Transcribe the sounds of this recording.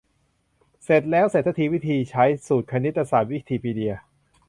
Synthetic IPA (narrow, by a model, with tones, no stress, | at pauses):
se˨˩t̪̚lɛː˦˥wse˨˩t̪ʰːa˧˩t̪ʰi˧wi˦˥t̪ʰiː˧t͡ɕʰa˦˥jsuː˨˩t̪̚kʰa˧ni˦˥t̪ːa˧saː˨˩n̚wi˦˥t̪ʰiː˧pʰiː˧di˧ɐ